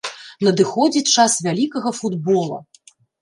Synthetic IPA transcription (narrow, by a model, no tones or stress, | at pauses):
nɐd̪ɨxɔd͡zʲit͡ʂasvʲalʲikɐɣɐfud̪bɔlˠɐ̰